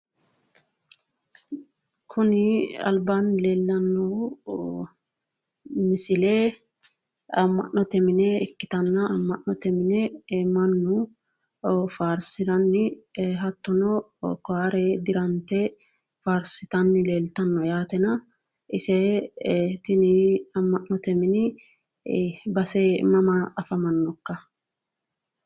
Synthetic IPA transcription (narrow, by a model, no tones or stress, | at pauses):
kʰʊnɪɐ̰lbanleːlːɐnːɔ | mɪsɪlɛ | ɐmːɐ̰ʔnɔt̪ɛmɪnɛɛkːɪt̪ɐnːɐɐmːɐʔnɔt̪ɛmɪnɛmɐnːʊ | faːɾsɪd̪ɐnːɪɦɐt̪ːɔnɔkɔaːɾɛd̪ɪɾɐnt̪ɛfaːɾsɪt̪ɐnːɪleːlt̪ɐnːɔjaːt̪ɛnɐɪsɛ | t̪ɪnɪɐmːɐʔnɔt̪ɛmɪnɪ | bɐsɛmɐmɐɐfɐmɐnːɔkːɐ